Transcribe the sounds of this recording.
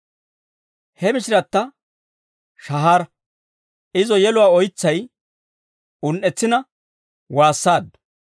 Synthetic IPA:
hɛmɪʃɪɾɐt̪ːɐ | ʃɐɦaːɾ | ʔɪzɔjɛlʊwaːɔjɪt͡sːɐj | ʊnʔɛt͡sːɪnɐ | waːsːaːd̪

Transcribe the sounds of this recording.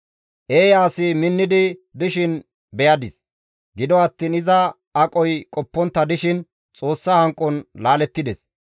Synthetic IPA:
ʔeːjaːsɪmɪnːɪd̪ɪd̪ɪʃɪn | bɛjɐd̪ɪs | ɡɪd̪ɔɐt̪ːiːnɪzɐ | ɐkʼɔjkʼɔpːɔnt̪ːɐd̪ɪʃɪn | t͡sʼo̞ːsːɐhɐŋkʼːɔnlaːlɛt̪ːɪd̪ɛs

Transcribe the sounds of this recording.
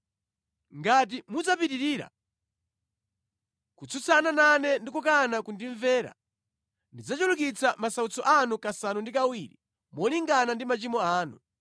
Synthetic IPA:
ŋɡat̬imud͡zapitiɾiːɾa̰ | kut͡sʰut͡sʰanananɛndikukanakundiɱvɛːɾa̰ | ndid͡zat͡ʃulukit͡sʰamasaut͡sɔʔanukasanundikawiɾḭ | mɔliŋɡanandimat͡ʃimɔaːnu

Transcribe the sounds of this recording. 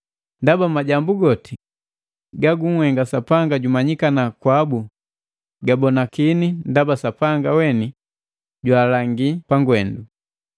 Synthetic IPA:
ndabamaɟambuɡɔti | ɡaɡuŋ̩hɛŋɡasapaŋɡaɟumaɲikanakwabu | ɡabɔnakinindabasapaŋɡawɛni | ɟwaːlaŋɡipaŋɡwɛndu

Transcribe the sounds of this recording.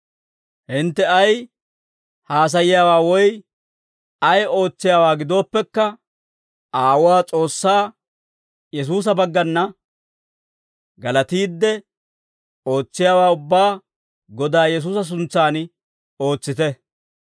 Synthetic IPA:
hɪnt̪ːɛɐj | haːs̬ɐjɪjaːwaːwɔj | ɐjo̞ːt͡sːɪjaːwaːɡɪd̪o̞ːpːɛkːɐ | aːwʊwaːt͡sʼo̞ːsːaː | jɛs̬uːs̬ɐbɐɡːɐnːɐ | ɡɐlɐt̪iːd̪ːɛ | o̞ːt͡sːɪjaːwaːʊbːaː | ɡɔd̪aːjɛs̬uːsɐs̬ʊnt͡sːaːn | o̞ːt͡sːɪt̪ɛ

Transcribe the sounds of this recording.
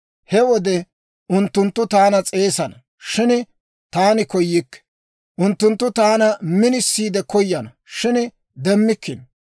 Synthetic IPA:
hɛwɔd̪ɛ | ʊnt̪ːʊnt̪ːʊt̪aːnɐt͡sʼe̞ːsɐnɐ | ʃɪn | t̪aːnɪkɔjːikːɛ̥ | ʔʊnt̪ːʊnt̪ːʊt̪aːnɐmɪnɪsːiːd̪ɛkɔjːɐnɐ | ʃɪn | d̪ɛmːɪkːɪn

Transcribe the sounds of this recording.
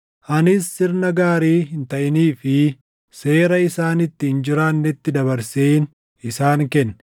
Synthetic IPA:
ʔɐnɪsːɪɾnɐɡaːɾiːɦɪnt̪ɐʔɪniːfɪ | se̞ːɾɐɪsaːnɪt̪ːɪɪnd͡ʒɪɾanːɛt̪ːɪd̪ɐβɐɾseːn | ɪsaːŋkɛnːɛ̥

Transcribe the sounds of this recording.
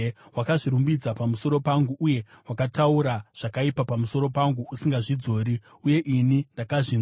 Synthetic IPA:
wakaʐiɾumbid͡zapamuso̞ɾo̞paŋɡuʔuje̞ | wakatauɾaʐ̥akaipapamuso̞ɾo̞paŋɡuusiŋɡaʐid͡zo̞ːɾi | uje̞ʔinindakaʐi

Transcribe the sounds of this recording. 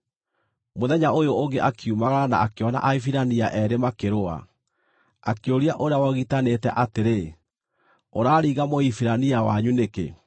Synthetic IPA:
moðɛɲaojooŋɡeʔakʰiumaɣaana̰akeɔna̰ʔaifiɾaniaʔɛɾemakeɾoa̰ | akeoɾiaʔoɾeawaɣitanetɛʔateɾe | oɾaːɾiːɣamoifiɾaniawaɲunekḛ

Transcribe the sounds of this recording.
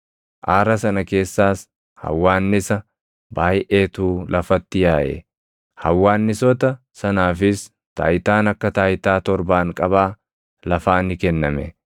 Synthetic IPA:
ʔaːɾɐsɐnɐke̞ːsːaːs | hɐ̰wːaːnːɪsɐ | baːjʔe̞ːt̪uːlʔɐfɐt̪ːɪjaːʔɛ̰ | hɐwːaːnːɪsɔt̪ɐ | sɐnaːfɪs | t̪a̰ːjt̪aːnɐkːɐt̪aːjt̪aːt̪ɔɾbaːŋkʼɐβaː | lɐfaːnːɪkɛnːɐmɛ

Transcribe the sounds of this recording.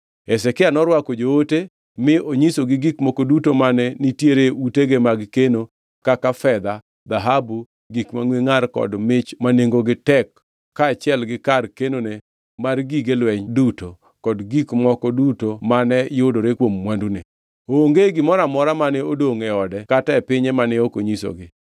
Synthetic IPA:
ɛsɛkɪanɔɾwakod͡ʒoote | mɪʔoɲisoɡɪɡikmɔkodutomanɛnitjeɾeuteɡemaɡkeno | kakafɛd̪a | d̪aɦabu | ɡikmaŋweŋarkɔ̰dmɪt͡ʃmaneŋɡoɡɪtɛkː | aːt͡ʃɪɛlɡɪkarkenone | marɡiɡelwɛɲduto | kɔdɡikmɔkɔdutomanɛjʊdoɾekwomːwandune | oːŋɡeɡɪmɔɾamɔɾamanɛodoŋɛɔdɛkataɛpɪɲɛmanɛokoɲiso̰ɡɪ

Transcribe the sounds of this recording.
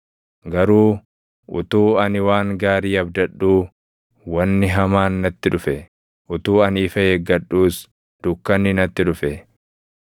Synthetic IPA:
ɡɐɾuː | ʊ̰t̪uːɐnɪwaːŋɡaːɾiːɐbd̪ɐɗːuː | wɐnːɪɦɐmaːnnɐt̪ːɪᶑʊfɛ | ʔʊt̪uːɐniːfɐeɡɐᶑːuːs | d̪̥ʊkːɐnɪnɐt̪ːɪᶑʊfɛ

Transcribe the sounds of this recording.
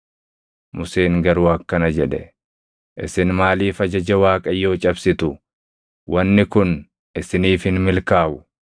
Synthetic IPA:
mʊse̞ːŋɡɐɾʊwɐːkːɐnɐd͡ʒɛᶑɛ̰ | ʔɪ̰sɪnmaːliːfɐd͡ʒɐd͡ʒɛwaːkʼɐjːo̞ːt͡ʃʼɐbsɪt̪ʊ | wʔɐnːɪkʊn | ɪsɪniːfhɪnmɪlkaːʔʊ

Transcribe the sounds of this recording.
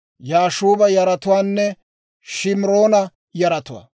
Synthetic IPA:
jaːʃuːbɐjɐɾɐt̪ʊwaːnːɛ | ʃɪmɾo̞ːnɐ | jɐɾɐt̪ʊwa̰ː

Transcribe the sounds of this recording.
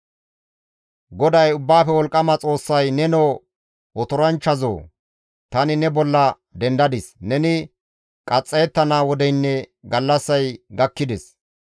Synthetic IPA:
ɡɔd̪ɐjʊbːaːfɛwɔlkʼːɐmɐt͡sʼo̞ːsːɐjnɛnoː | wɔt̪ʊɾɐnt͡ʃːɐzo̰ː | t̪ɐnɪnɛbɔlːɐ | d̪ɛnd̪ɐd̪ɪsnɛnɪ | kʼɐt͡sʼːeːt̪ːɐnaːwɔd̪ɛjnːɛɡɐlːɐsːɐjɡɐkːɪd̪ɪs

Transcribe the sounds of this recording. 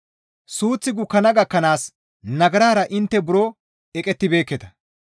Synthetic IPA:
suːt͡sːɪɡʊkːɐnɐɡɐkːɐnaːs | nɐɡɐɾaːɾɐʔɪnt̪ːɛbʊɾo | ɛkʼɛt̪ːɪbe̞ːkːɛt̪ɐ

